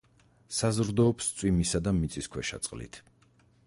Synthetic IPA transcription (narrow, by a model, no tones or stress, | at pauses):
sazɾd̪ɔːpst̪sʼwimisad̪amit̪sʼiskʰwɛʃa̰t̪sʼqʼlḭt̪ʰ